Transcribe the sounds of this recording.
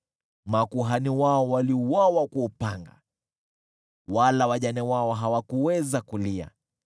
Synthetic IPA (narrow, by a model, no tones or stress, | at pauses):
makuɦaniwaɔwaliuwawakuːpaŋɡa̰ | walawaʄanɛwaɔɦawakuwɛzakulia̰